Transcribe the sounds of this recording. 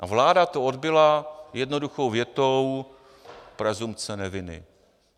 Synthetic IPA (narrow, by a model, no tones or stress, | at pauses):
ʔavlaːdat̪ood̪bɪlajɛdno̞duxo̞wvjɛt̪ow | pɾɛzumt͡sɛnɛvɪnɪ̰